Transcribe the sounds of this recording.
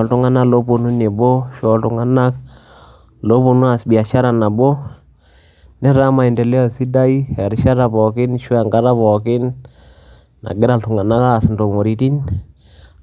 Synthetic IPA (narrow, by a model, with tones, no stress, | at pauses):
ɔ˨ltʊ˦ŋa˦na˦lo˦po˨nu˦ne˨bo˦ʃɔ˨ltʊ˨ŋa˦na˦k̚ | lo˦po˨nu˦a˨sbi˨a˨ʃa˦ɾa˨na˨bo˦ | nɛ˦ɾa˦ma˨i˨nde˨lɛ˦ɔ˨si˦da˦i˦ɛ˨ɾɪ˦ʃa˦ɾa˨pɔ˨kɪ˦nʃu˦a˨ŋɡa˦ɾa˦pɔ˨kɪ˦n | na̰˨ɡɪ˦ɾa˨ltu˨ŋa˨na˦kaː˦˨snto˨mo˨ɾi˨˦ti˦n